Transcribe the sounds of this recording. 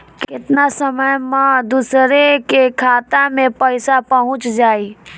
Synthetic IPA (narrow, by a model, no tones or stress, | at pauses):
kkɪt̪nasəməjmãd̪usɾekekʰaːt̪amẽpəɪsapəɦʊ̃t͡ʃd͡ʒaːi